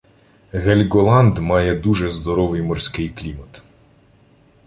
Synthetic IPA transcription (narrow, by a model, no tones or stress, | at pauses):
ɣelʲɡɔlˠɑnd̪mɑjɛd̪uʒɛzd̪ɔɾɔʋɪjmɔrsʲkɪjklʲimɐt̪